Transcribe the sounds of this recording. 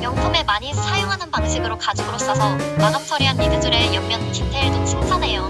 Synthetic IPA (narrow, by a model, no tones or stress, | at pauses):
mjʌŋtʰome̞maɲisʰajoŋɦanɯnpaŋɕʰiɡɯɾokad͡ʑiɡɯɾos͈ʌsʰʌmaɡap̚sʰʌɾiɦanːidɯd͡ʑuɾe̞jʌŋmjʌnt͡ɕintʰeɭdot͡ɕʰɯŋpʰane̞jo